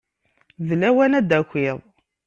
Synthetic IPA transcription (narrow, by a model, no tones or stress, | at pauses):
ðlæwænæd̪ækʷːiðˤ